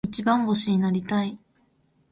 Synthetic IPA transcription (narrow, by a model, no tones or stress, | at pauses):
it͡ɕibãŋɡo̞ɕiɲ̟inaɾʲit̪ai